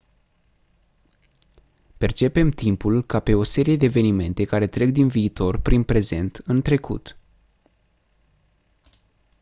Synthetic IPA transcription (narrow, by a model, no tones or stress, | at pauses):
pe̞rt͡ʃe̞pe̞mt̪impulkape̞o̞se̞ɾije̞d̪eːve̞nime̞nt̪e̞kaɾe̞t̪ɾe̞ɡd̪inviːt̪o̞rpɾinpɾe̞ze̞nt̪ɨnt̪ɾe̞kṵt̪